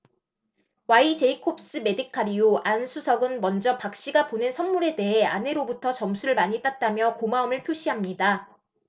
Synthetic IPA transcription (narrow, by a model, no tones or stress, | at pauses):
wait͡ɕe̞ikʰop̚s͈ɯme̞dɯkʰaɾioʔansʰusʰʌɡɯnmʌnd͡ʑʌpak̚ɕ͈iɡaponensʰʌnmuɾe̞de̞ɦeane̞ɾobutʰʌt͡ɕʌmsʰuɾɯɭmaɲit͈at̚t͈amjʌkomaɯmɯɭpʰjoɕ͈ʰiɦamɲida